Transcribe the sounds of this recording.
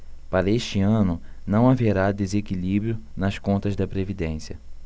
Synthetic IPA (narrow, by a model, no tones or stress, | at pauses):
paɾɐeʃt͡ʃɪɐ̃nʊ | nɐ̃w̃aveɾad̪ezekilibɾjʊnɐskõnt̪ɐzd̪ɐpɾevid̪ẽsiɐ